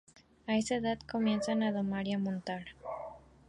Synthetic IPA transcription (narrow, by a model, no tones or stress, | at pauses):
ae̞saeðaðko̞mje̞nsanaðomaɾjamõnt̪aɾ